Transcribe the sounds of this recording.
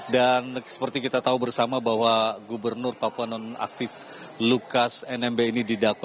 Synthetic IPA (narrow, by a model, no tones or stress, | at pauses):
dansə̥pərt̪ikit̪at̪aubərsamabahwaɡubərnʊrpapuanɔna̰k̚t̪ɪf | lukasɛnɛmbeinididakwa